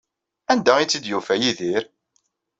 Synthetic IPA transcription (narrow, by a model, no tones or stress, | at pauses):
ænd̪æit͡sːid̪jufæjiðiɾ